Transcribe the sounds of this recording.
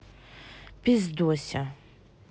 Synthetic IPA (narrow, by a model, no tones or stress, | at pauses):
pʰizd̪uɔsʲa